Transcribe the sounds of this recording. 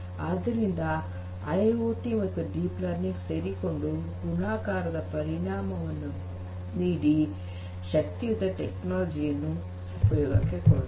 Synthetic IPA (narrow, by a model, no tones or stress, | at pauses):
aːd̪ɐɾind̪ɐ | ɐjoːʈiɐt̪ːuɖiːplaːɾnikseːɾiko̞ɳɖuɡunaːkaːɾɐd̪ɐpɐɾiɳaːmɐʋɐnːu | niːɽi | ʃɐk̚t̪iʋut̪ɐʈeknaːld͡ʒijɐnːu | upɐjɔːɡɐ̰kːekoɽ